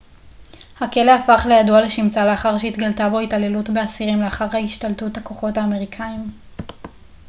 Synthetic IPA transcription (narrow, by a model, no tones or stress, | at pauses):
hake̞leafaχlejaduale̞ʃimt͡saleaχaʁʃeit̪ɡaltabo̞itale̞lutbeasiʁimleaχaʁhaiʃtaltutako̞χo̞thaːme̞ʁikʰaim